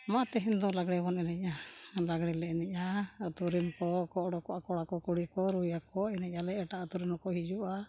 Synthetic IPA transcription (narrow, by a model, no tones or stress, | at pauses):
mat̪ɛɦind̪ɔlaɡɽɛbɔnɛnɛɲalaɡɽɛlɛɛnɛɲat̪uɾimkɔkɔʔɽɔkɔʔakɔɽakɔkuɽikɔɾujakɔɛnɛɲalɛʔɛʈaʔat̪uɾimɔkɔɦid͡ʒuʔa